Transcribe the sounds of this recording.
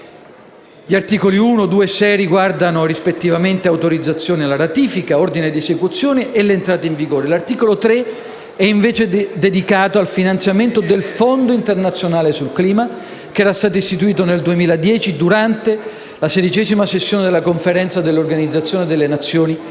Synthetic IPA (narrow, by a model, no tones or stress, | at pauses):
ʎiart̪iːkoliuːnod̪uːesɛjriɡward̪anorispet̪ːivament̪eawt̪oɾid̪zːat̪sːjoːnealaɾat̪iːfikaord̪ined̪iesekut̪sjoːneʔːlːeːnt̪ɾaːt̪eiɱviɡoːɾelart̪iːkolot̪ɾe | ɛiɱveːt͡ʃed̪ed̪ikaːt̪oalfinant̪sjament̪od̪elfond̪oint̪ernat̪sːjonaːlesulkliːma | keɛːɾast̪aːt̪̬oist̪it̪uiːt̪oneld̪uemiːlad̪jɛːt͡ʃid̪uɾant̪e | lased̪it͡ʃɛːzimasesːjoːned̪elakoɱfeɾɛnt̪sad̪elːorɡanid̪zat̪sjoːned̪elːenat̪sːjoːni